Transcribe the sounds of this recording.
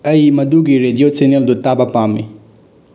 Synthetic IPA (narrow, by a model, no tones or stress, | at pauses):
ɐjmɐduɡiɾediot͡ʃeneldutabɐpamːḭ